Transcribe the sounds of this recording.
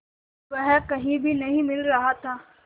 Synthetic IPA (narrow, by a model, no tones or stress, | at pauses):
ʋəɦkɐɦĩbʱinɐɦĩmɪlɾɐɦat̪ʰaː